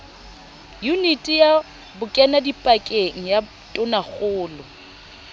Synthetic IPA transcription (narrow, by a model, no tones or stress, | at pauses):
junitʼija | bʊkʼɛnadipʼakʼeŋ̩ja | tʼʊnaɣʊːlʊ